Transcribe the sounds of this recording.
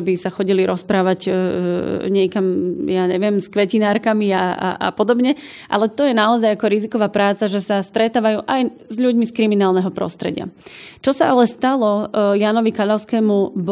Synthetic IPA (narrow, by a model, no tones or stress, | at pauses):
bisaxɔɟiliɾɔspɾaːʋaɟ | ɲɪɛkamjaːɲɛʋɪɛmskʋɛcinaːɾkamiaa̰ʔa̰pɔd̪ɔbɲɛ | ʔa̰lɛt̪ɔjɛnaɔzajakɔɾizikɔʋaːpɾaːt͡saʒɛsast̪ɾɛt̪aːʋajuːʔaj | zʎuɟmiskɾiminaːlˠnɛɦɔpɾɔ̰st̪ɾɛ̰ɟɪa̰t͡ʃɔsaʔalɛst̪alɔjanɔʋikaʎaʊskɛːmub